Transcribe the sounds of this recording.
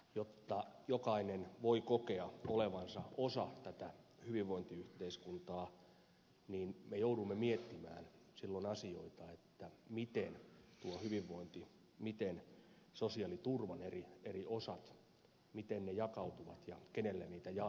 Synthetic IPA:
jot̪ːɑjokɑinenʋoikokeɑoleʋɑnsɑʔosɑt̪æt̪æhyʋiʋːoint̪iyht̪eiskunt̪ɑː | niːnmejoudumːemiet̪ːimæ̰ːn | silːonɑsioit̪ɑet̪ːæmit̪ent̪uohyʋiʋːoint̪i | mit̪en | sosiɑlit̪urʋɑnerieriʔosɑt̪ | mit̪ennejɑkɑut̪uʋɑ̰t̪jɑkenelːæniːt̪æjɑ

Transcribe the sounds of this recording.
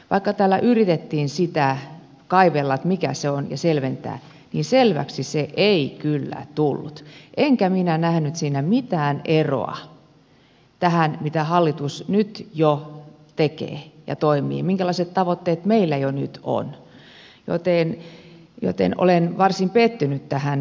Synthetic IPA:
ʋɑikːɑt̪æːlːæʔyrit̪et̪ːiːnsit̪æ | kɑiʋelːɑt̪mikæ̰seonjɑ̰selʋent̪æ̰ː | niːnselʋæ̰ksiseʔeikylːæ̰t̪ulːut̪ʔeŋkæminænæhnyt̪siːnæmit̪æːnero̰ɑ̰ | t̪æhænmit̪æhɑlːit̪usnyt̪jo | t̪ekḛːjɑ̰t̪oimḭːmiŋkælɑiset̪t̪ɑʋot̪ːeːt̪meilːæjonyt̪o̰n | jo̰t̪eˑn | jo̰t̪ḛnʔo̰lenʋɑrsimpet̪ːynyt̪t̪æhæn

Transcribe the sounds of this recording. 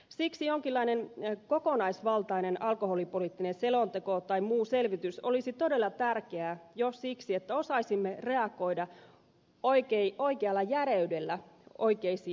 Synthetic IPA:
siksijoŋkilːɑinenkokonɑisʋɑlt̪ɑinenɑlkoholipolit̪ːinenselont̪ekot̪ɑimmuːselʋit̪yso̰lisit̪o̞de̞lːɑt̪ærkeæjossiksiet̪ːæo̞sɑisimːere̞ɑko̞idɑ | oikeiʔo̞ikeɑlːɑjæɾeydelːæo̰ikeisiː

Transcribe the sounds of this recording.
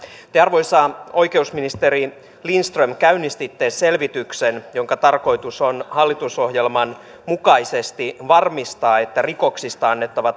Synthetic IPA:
t̪eɑrʋo̞jsɑːo̞jke̞usminist̪eɾi | linst̪rømkæynist̪it̪ːe̞ːsse̞lʋit̪yksenjo̞ŋkɑt̪ɑrko̞jt̪usonhɑlːit̪uso̞hjelmɑn | mukɑisest̪iʋɑrmist̪ɑːe̞t̪ːæriko̞ksist̪ɑɑnːe̞t̪ːɑʋɑ

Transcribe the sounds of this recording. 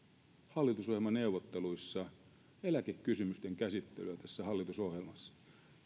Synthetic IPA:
hɑlːit̪usohjemɑne̞uwʋot̪ːe̞luisːɑ | e̞lækekːysymyst̪e̞ŋkæsit̪ːelyæt̪æsːæhɑlːit̪uso̞hjelmɑsːɑ̥

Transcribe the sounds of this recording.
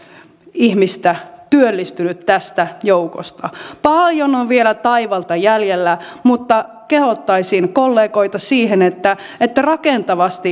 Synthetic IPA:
ihmist̪æt̪yølːist̪ynyt̪t̪æst̪æjouko̰st̪ɑpɑljonoʋʋielæt̪ɑiʋɑlt̪ɑjæljelːæmut̪ːɑ | kehot̪ːɑisinkolːeːkoit̪ɑsiːhenet̪ːæet̪ːærɑkent̪ɑʋɑst̪i

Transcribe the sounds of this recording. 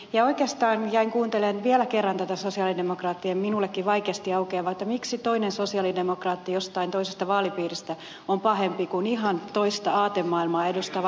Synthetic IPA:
jɑoikeːst̪ɑːnjæiŋkuːnt̪elenʋielækerːɑnt̪æt̪æsosiɑlidemokrɑːt̪ːiemminulːekːiʋʋɑikeɑst̪iɑukeːʋɑet̪ːɑmiksit̪oinensosiɑlidemokrɑːt̪ːijost̪ɑint̪oisest̪ɑʋɑːlipiːrist̪æ | ompɑhempikuniɦɑnt̪oist̪ɑɑːt̪emmɑːilmɑːedust̪ɑʋ

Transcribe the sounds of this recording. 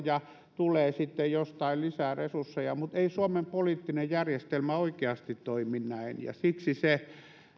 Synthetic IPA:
jɑ | t̪uleːsit̪ːejjost̪ɑillisæresursːejɑmut̪eisuomempoliːˑt̪ːinejjærjest̪elmæoikeɑst̪it̪toiminnæinjɑ̰siksise

